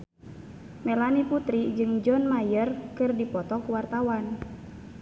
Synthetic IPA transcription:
mɛlaniput̪ɾid͡ʒɨŋd͡ʒɔnmajərkɨrdipɔt̪ɔkuwart̪awan

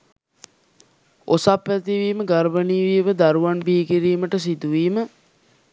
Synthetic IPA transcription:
osapʋæt̪iʋiːməɡaɾbəniːʋiəʋəd̪aɾuʋanbiːkiɾiːməʈəsid̪uʋiːmə

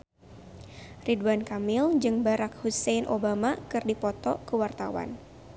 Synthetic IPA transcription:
ridwankamɪld͡ʒɨŋbaɾak̚husɛnʔobamakɨrdipɔt̪ɔkəwart̪a̰wa̰n

